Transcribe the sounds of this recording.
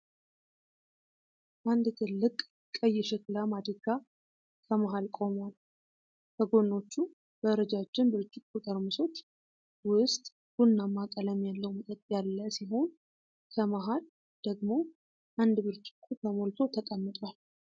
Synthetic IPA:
ʔand̪t̪ʰɨlːɨkʼ | kʼːəjːɪʃɪklamad̪iɡa | kʰəmaɦalkʼo̞mal | kʰəɡo̞nːo̞t͡ʃːu | bəɾəd͡ʒat͡ʃːɪnbɨɾt͡ʃʼːɪkkut̪ʼəɾmɨso̞t͡ʃː | wʊst̪ʼ | ɡ̥unːamːakʼələmjalːəwmət̪ʼət̪ʼːjalːəsiɦo̞n | kʰəmaɦal | d̪̥əɡmo̞ | ʔand̪bɨɾt͡ʃʼɪ̥kʰʼːuk̪ʰəmolt̪ʰo̞t̪ʰək̪ʼəmːɨt̪ʼwal

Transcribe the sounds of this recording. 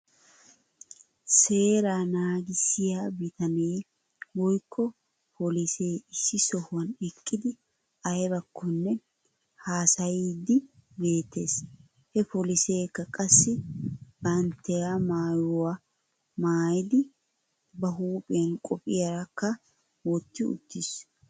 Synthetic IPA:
se̞ːɾanaːɡɪsɪjaːbɪt̪ɐneː | wɔjkʰːɔ | pʰɔlise̞ːɪsːɪsɔhʊwɐnɛkʼːɪd̪ɪ | ɐjbɐkːɔnːɛ | haːsɐjiːd̪ɪbe̞ːt̪ːe̞ːs | hɛpɔlɪseːkːɐkʼɐsːɪb̥ɐnt̪ːɛjamaːjʊwa | maːjɪd̪ɪ | bɐɦuːpʼɪjɐnkʼɔpʼɪjɐɾɐkːɐ | wɔt̪ːɪʊ̰t̪ːɪs

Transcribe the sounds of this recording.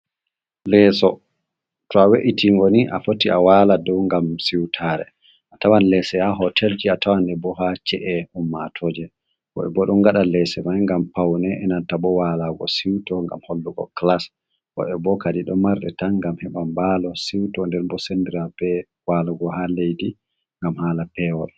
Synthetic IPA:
lɛsɔ | tɔaweʔitiŋɡoniʔa̰fotiawaladɔwŋɡamsiwtʰaɾɛ̰ | ʔatawanlɛsɛhaɦɔtʰɛld͡ʒiatawanɛbɔhat͡ʃɛʔɛumːatʰɔd͡ʒɛ | kɔ̰ɓɛ̰bɔɗɔnɡaɗalɛsɛmajŋɡampawnɛʔɛnantabɔwalaɡɔ̰siwtɔŋɡa̰mholːuɡɔ̰klas | wɔ̰ɓɛbɔkadiɗɔmaɾɗɛ̰tanɡamhɛɓambalɔsiwtɔndɛɾbɔsɛndiɾabɛ | walaɡɔhalejdi | ŋɡamhaːlapɛwɔɗ

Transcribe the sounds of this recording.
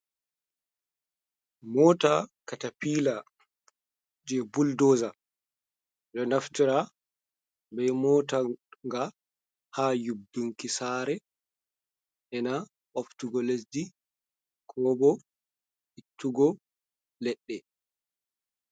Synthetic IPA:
mɔːtakatapiːla | d͡ʒɛbuldɔːza | ɗɔnaftiɾa | bɛmɔːtaŋɡa | hajub̚duŋkisaːɾɛ | ʔɛna | ʔoftuɡɔles̬di | kʰɔbɔ | ʔitʰːuɡɔ | lɛɗːɛ

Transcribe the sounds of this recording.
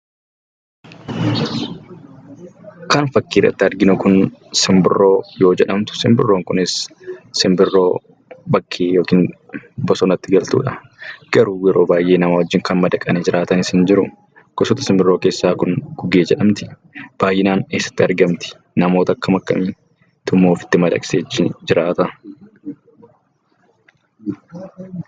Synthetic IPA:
kɐnfɐkːiːrːɐ̰t̪ːɪɐɾɡɪnʊkʊnsɪmbɪrːo̞ːjoːd͡ʒɛᶑɐmt̪ʊ̥sɪmbɪ̰rːoːŋkʊnɪsːɪmbɪrːo̞ː | bɐkʰːeːjoːkiːn | bɔsɔnɐt̪ːɪɡɐlt̪ṵːᶑɐ | ɡ̥ɐɾuːjɛɾo̞ːbaːjʔe̞ːnɐmawɐd͡ʒːɪŋkɐnmɐd̪ɐkʼɐnɛd͡ʒɪɾaːt̪ɐnɪsɪnd͡ʒɪɾʊ | ɡ̥ɔsɔt̪ɐsɪmbɪrːoːke̞ːsːaːkʊŋɡ̥ʊɡeːd͡ʒɛᶑɐmt̪ɪ̥ | b̥aːjːɪnaːneːsːɐ̥t̪ːɪɐɾɡɐmt̪ɪ̥ | nɐmo̞ːt̪ɐkːɐmɐkːɐ̰mi | t̪ʊmːoːfɪ̥t̪ːɪmɐd̪ɐ̰kʼseːɪd͡ʒɪɾaːt̪ɐ

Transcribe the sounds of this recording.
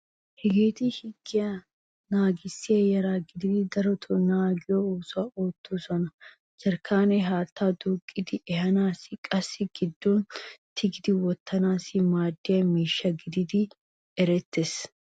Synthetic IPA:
hɪɡeːt̪ɪhɪɡːɪjɐ | naːɡɪsːɪeːjɐɾaːɡɪd̪ɪd̪ɪd̪ɐɾɔt̪ʰʊnaːɡɪjooːsʊɐʔoːt̪ːuːsɔnɐ | d͡ʒɐɾkʰaːnɛɦaːt̪ʰːaːd̪uːkʼːɪd̪ɪʔɛhɐnaːsɪkʼɐsːɪɡ̥ɪd̪ːoːnt̪ʰɪɡɪd̪ɪwɔt̪ʰːɐnaːsɪmaːd̪ːɪjɐmiːʃːɐɡɪd̪ɪd̪ɪ | ɛɾɛt̪ːɛs

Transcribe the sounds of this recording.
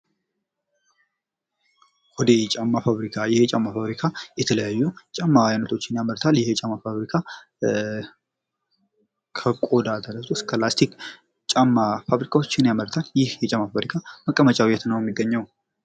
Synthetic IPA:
wɔd̪et͡ʃʼamːafaβɾikʰajɪht͡ʃʼamːafaβɾikʰajɛt̪ʰələjajːut͡ʃʼamːawajanːət̪ʰo̞t͡ʃːɪnjaməlt̪ʰaljɪhjɛt͡ʃʼamːafaβɾikʰa | kʰəkʼo̞d̪at̪ʰəɾət̪ʰoskʰəlast̪ʰik | t͡ʃʼamːafaβɾikʰawot͡ʃːɪnjaməlt̪ʰaljɪhjɛt͡ʃʼamːafaβɾikʰaməkʼːəmət͡ʃʼawjɛt̪ʰnəwjɛmːiɡːəɲːaw

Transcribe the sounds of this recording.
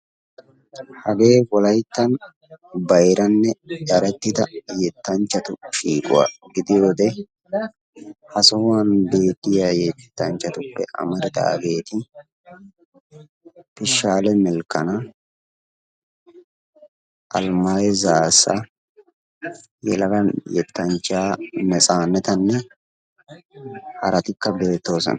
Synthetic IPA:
hɐɡe̞ːwɔlɐjt̪ːɐn | bɐjɾɐnːɛdɐɾɛt̪ːɪd̪ɐjɛt̪ːɐnt͡ʃːɐt̪ʊʃiːkʼʊ̰wa̰ːɡɪd̪ɪjo̞ːd̪ɛ | hɐsɔhʊwanbe̞ːt̪ːɪjajet̪ːɛ̥t̪ːɐnt͡ʃːɐt̪ʊpːɛ̰ʔɐ̰mɐɾɪd̪ɐ̰ːɡe̞ːt̪ɪ | pɪʃːaːlɛmɛlkːɐnɐ | ʔɐlmajɛzaːsːɐ̰ | jɛ̰lɐkɐjɛt̪ːɐnt͡ʃːaːmɛt͡sʼaːnːɛt̪ɐnːɛ | hɐɾɐt̪ɪkːɐbe̞ːt̪ːo̞ːsɔ̰nɐ

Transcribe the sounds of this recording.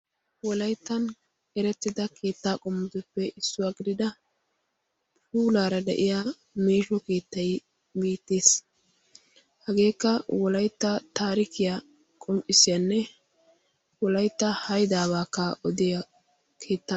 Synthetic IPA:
wɔlɐjt̪ːɐn | ɛɾɛt̪ːɪd̪ɐkʰe̞ːt̪ːaːkʼɔmːɪd̪ɔpːɛʔɪsːʊwaɡɪd̪ɪd̪ɐ | pʰuːlaːɾɐd̪ɛ̰ʔɪja | meːʃɔke̞ːt̪ːɐj | biːt̪ːe̞ːs | hɐɡe̞ːkːɐwɔlɐjt̪ːɐt̪aːɾɪkɪja | kʼɔmpʼɪsɪjɐnːɛ | wɔlɐjt̪ːɐhɐjd̪aːβaːkːɐɔd̪ɪjɐ | kʰe̞ːt̪ːa

